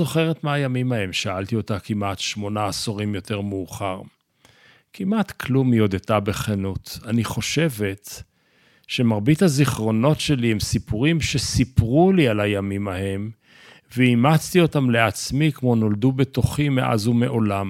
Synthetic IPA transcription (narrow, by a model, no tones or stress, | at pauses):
oχe̞ʁetmeajamimahe̞mʃaalt̪io̞takimatʃmo̞naːsoʁimjo̞te̞ʁmuːχaʁ | kʰimʔat̪kʰlumjo̞d̪etabe̞χenutaniχo̞ʃe̞ve̞t | ʃe̞maʁbithaziχʁo̞no̞tʃe̞lihemsipuʁimʃesipʁulialajamimahe̞m | veimat͡st̪io̞tamle̞at͡smikmo̞no̞ldube̞t̪oχimeʔa̰zhumeʔo̞lam